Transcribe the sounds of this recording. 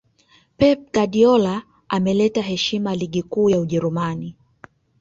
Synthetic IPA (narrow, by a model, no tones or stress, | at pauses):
pɛp̚ɡaɗiɔla | amɛlɛtaɦɛʃimaliɠikuːjauʄɛɾumani